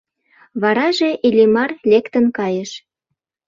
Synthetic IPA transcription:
βɑɾɑʒeʔelʲimɑrlekt̪ənkɑjəʃ

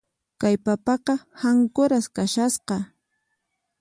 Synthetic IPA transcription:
kajpapɑqɑhaŋkʊɾaskaʃasqɑ

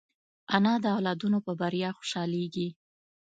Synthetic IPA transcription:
anɑd̪əawlɑd̪unopəbaɾjɑxo̥ʃɑleɡi

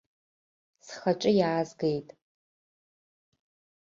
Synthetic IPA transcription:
sχat͡ʃʼɪjaːzɡejtʼ

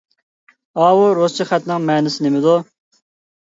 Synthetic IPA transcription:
ɑːwuɾost͡ʃʰiχɛt̪nɪŋmɛːnɪsɪnɪmɪd̪u

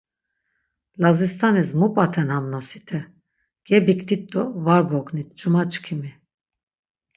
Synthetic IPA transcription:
lazist̪ʰanismupʼat̪ʰɛnhamnɔsi̥t̪ʰɛ | ɡ̥ɛbikt̪ʰit̪̚d̪ɔvaɾbɔkʼnit̪̚ʰd͡ʒumat͡ʃʼkʰimi

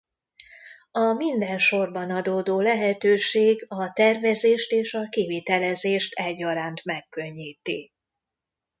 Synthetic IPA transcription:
ɒmind̪ɛnʃo̞rbɒnɒd̪oːd̪oːlɛɦɛt̪øːʃeːɡɒt̪ɛrvɛzeːʃt̪eːʃɒkiviːt̪ɛlɛzeːʃt̪ʰɛɟːɒɾaːnt̪mɛkːø̞ɲːiːt̪i

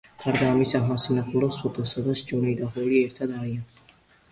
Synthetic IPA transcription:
ɡ̥ʰaɾd̪aːmisaχmasnɛχʰuɾɔsɔt̪ʼɔsad̪aʃd͡ʒɔnid̪aχɔɾiɛɾt̪ʰad̪aɾian

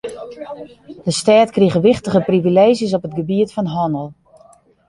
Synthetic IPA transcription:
d̥əstaːtkriɣəʋɪxtəɣəprivileːʒjəs̬ɔpət̚ɡəbiətfɔnɦɔnəlˠ

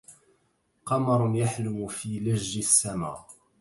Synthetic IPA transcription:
qɑmɑɾˤnjaħlʊmfiːlaʒːɪsːama̰ː

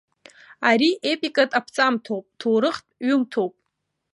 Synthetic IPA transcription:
aɾiʔepʼikʼatʼapʰt͡sʼamtʰowpʼtʰowɾɨχtʼɥʊmtʰowpʼ

